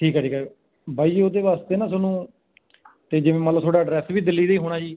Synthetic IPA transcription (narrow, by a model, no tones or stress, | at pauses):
ʈʰiːkɛːʈʰiːkɛː | baːiːd͡ʒoːd̪eːʋaːst̪eːnãːsoːnũː | t̪eːd͡ʒɪʋẽːmət̪ləbt̪ʰoːɽɖaːɖɾɛːsʋiːd̪ɪlːiːd̪eiːɦoːɽaːd͡ʒiː